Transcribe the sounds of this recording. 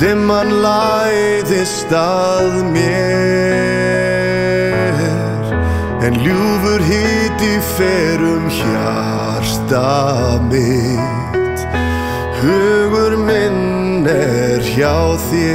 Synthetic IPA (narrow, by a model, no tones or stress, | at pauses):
t̪ɪmːanlajðɪst̪a | ðmjɛ | ɾ̥ | ɛnljuːvʏɾɦɪːt̪ifɛːɾʏmça̰ | ɾ̥st̪amɪ | t̪ | hʏːɣʏɾmɪnː | ɛɾ̥çawθjɛ